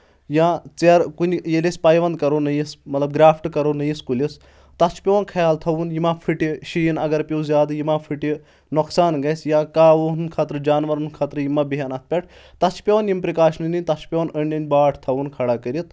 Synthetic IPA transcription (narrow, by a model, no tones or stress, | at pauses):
jãːt͡seɾkunʲjelisʲpaːjʋɐnd̪̚kɐɾonɐjismɐt̪lɐb̚ɡɾaːpʰʈkɐɾonɐjiskulʲis | t̪ɐt͡ʃʰpʲeʋnkʰɐjaːlt̪ʰɐʋunjimapʰiʈiʃijinɐɡɐɾpʲowzʲjaːd̪jimapʰiʈi | noksaːnɡɐsʲjãːkaːʋonnkʰaːt̪ɾɨd͡ʒaːnʋɐɾunkʰat̪ɾɨjimabiɦɐnɐt̪̚ʰpʲɐʈʰ | t̪ɐt͡ʃʰpʲeonjimpɾikaːʃnɨninʲt̪ɐt͡ʃʰpʲeʋonəɳʲɐnʲbaːʈʰt̪ʰɐʋunkʰɐɽaːkəɾit̪̚